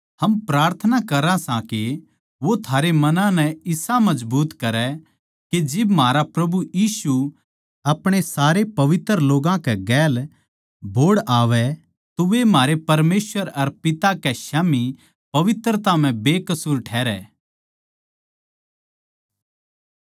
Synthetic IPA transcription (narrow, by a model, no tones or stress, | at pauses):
ɦɐmpɾaːɾt̪ʰənakɐɾãsãke | ʋot̪ʰaːɾemɐnãnɛɪsãmɐd͡ʒbuːt̪kɐɾɛ | ked͡ʒɪbmaːɾapɾɐbujiːsu | ɐpɽ̃esaːɾepɐʋɪt̪ɾəloːɡãkɛɡɛːl | bʱoːɽaːʋɛ | t̪oʋemɦaːɾepɐɾmeːsʋəɾɐɾpɪt̪akɛʃaːmi | pɐʋɪt̪ɾət̪am̤ɛ̃beːkɐsuːɾʈʰɛːɾɛː